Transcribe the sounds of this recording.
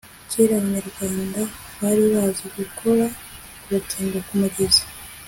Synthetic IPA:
ceɾaβaɲaɾɡwaːnda | βaɾiβaːzeɡukʰo̞ɾa | βatʰeːŋɡakumuɟezḁ

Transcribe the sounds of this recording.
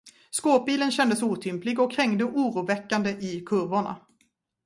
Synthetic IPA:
skoːp̚biːlənɕɛnd̪əsuːt̪ʰʏmplɪɡɔkʰːɾɛŋd̪əʔuːɾuːvɛkːand̪əʔɪkʰɵɾvʊɳa̰

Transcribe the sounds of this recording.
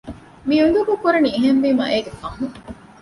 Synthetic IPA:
miund̪ukukuɾɐnieɦenʋiːmɐ̰ʔeːɡefɐŋɦu

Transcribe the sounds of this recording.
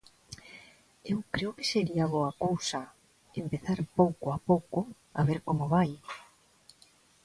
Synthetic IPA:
ewkɾeoke̥seɾiaβoakowsɐ | empeθaɾpowkoapowko | a̰βeɾkomoβaj

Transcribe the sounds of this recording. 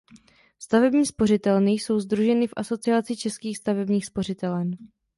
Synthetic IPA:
st̪avɛbɲiːspo̞rɪt̪ɛlnɪjso̞wzd̪ɾuʒɛnɪfʔaso̞t͡sɪat͡sɪt͡ʃɛskiːxst̪avɛbɲiːxspo̞r̝ɪt̪ɛlɛn

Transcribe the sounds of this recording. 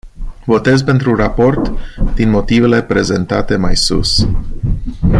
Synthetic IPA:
vo̞t̪e̞zpe̞nt̪ɾurapo̞rt̪d̪̥inmo̞t̪ive̞le̞pɾe̞ze̞nt̪at̪e̞majsṵs

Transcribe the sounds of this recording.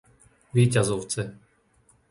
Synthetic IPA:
ʋiːcazɔʊt͡sɛ

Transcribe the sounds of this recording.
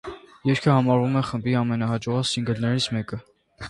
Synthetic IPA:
jɛɾkʰəhɑmɑɾvumɛχəmbiɑmɛnɑhɑd͡ʒɔʁɑsiŋɡəlnɛɾit͡sʰmɛkə

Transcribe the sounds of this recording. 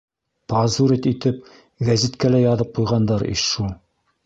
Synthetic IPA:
pɑzuɾit̪it̪ɘp̚ | ɡæzit̪kælæjɑðɤp̚qujʁɑnd̪ɑɾḭʃʃulˠ

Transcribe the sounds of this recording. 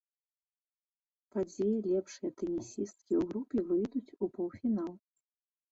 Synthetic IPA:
pad͡zʲɛjɛlʲɛpʂɨjɐt̪ɛnʲisʲist̪̚kʲiwɣɾupʲɛvɨjd̪ut͡sʲupɔwfʲinalˠ

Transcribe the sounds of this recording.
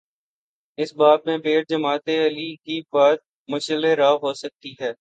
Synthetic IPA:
ɪsbaːb̚mẽpeːɾd͡ʒəmaːt̪eɐlikibaːt̪̚ | mʊʃəleɾaːɦoːsək̚t̪iɦɛː

